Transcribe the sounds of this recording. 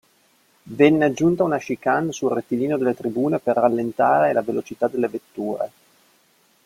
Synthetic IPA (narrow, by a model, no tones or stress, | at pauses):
vɛnːead͡ʒːunt̪aunaʃikansulret̪ːiliːnod̪elːet̪ɾibuːneperːalːent̪aːɾelavelot͡ʃit̪ad̪elːevet̪ːuːɾḛ